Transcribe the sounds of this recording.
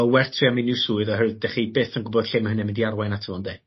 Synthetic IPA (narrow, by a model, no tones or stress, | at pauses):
ɔwɛrtʰriaminɪwsuːɨðɔhɛrwɨðdɛχibeːθənɡʊbɔd̥ɬɪmɦənɛmɪndiarwajnatʰəvɔnde